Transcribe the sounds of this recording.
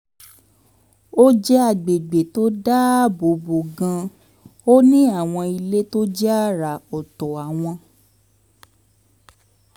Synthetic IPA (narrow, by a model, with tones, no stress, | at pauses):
o˦d͡ʒɛ˦a˧˨ɡ͡be˨ɡ͡be˨to˦da˦bo˨bo˨ɡã˧ | o˦nĩ˦a˦˨w̃ɔ̃˧i˧le˦to˦d͡ʒɛ˦a˦˨ɾa˨ɔ˨tɔ˨a˨w̃ɔ̃˧